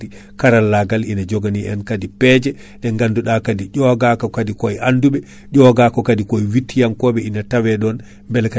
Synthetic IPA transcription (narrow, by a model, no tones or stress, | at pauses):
i | kaɾalːaɡalinad͡ʒɔɡaniʔɛnkadipɛd͡ʒɛ | ɗɛŋɡanduɗakadiɟɔɡakɔkadikɔjʔanduɓɛ | ɟɔɡaːkɔkadikɔjwitːijamkɔɓɛinatawɛɗɔn | mbɛlka